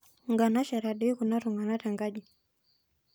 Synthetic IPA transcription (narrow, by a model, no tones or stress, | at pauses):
ŋɡanaʃaɾaɗiikunaɾuŋɡanataŋɡaʄi